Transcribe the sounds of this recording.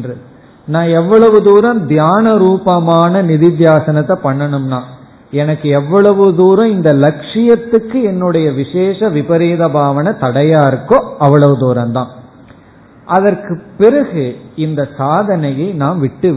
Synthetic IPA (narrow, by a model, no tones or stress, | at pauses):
drɯ | nãːɛʋːɐɭɐʋɯd̪uːɾɐ̃md̪jaːnɐɾuːpɐmaːnɐnɪðɪd̪jaːsɐnɐt̪ːɐpɐɳːɐɳɯmnaː | ɛnɐkːɯɛʋːɐɭɐʋɯd̪uːɾɐ̃ɪnd̪ɐlɐkʂɪjɐt̪ːɯkːɯɛnːɯɽɐjɐʋɪʂeːʂɐʋɪpɐɾeːðɐbʱaːʋɐnɐt̪ɐɽɐjaːɪɾɯkːõːɐʋːɐɭɐʋɯd̪uːɾɐmt̪ãː | ʔɐðɐrkɯpːɪɾɐɣɯɪnd̪ɐsaːðɐnɐjɐɪnaːmʋɪʈːɯ